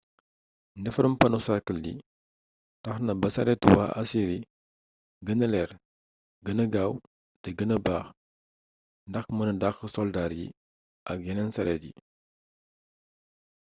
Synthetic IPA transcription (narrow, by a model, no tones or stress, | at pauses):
ndɛfɐɾumpɐnusakəldḭ | tɐxnɐbɐsɐɾɛtuwa̰ɐ̰siɾi | ɡənəlɛɾ | ɡənəɡaw | tɛɡənəbaːx | ndɐxmənɐdaxəsɔldaɾjḭ | ʔɐk̚jɛnɛnsɐɾɛtjḭ